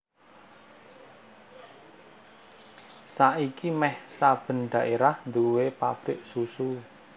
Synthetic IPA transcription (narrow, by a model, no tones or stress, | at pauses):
saʔikimɛhsab̥ə̤nɖ̪̥a̤ʔeɾahnd̪uwepa̰b̥ɾɪʔsusu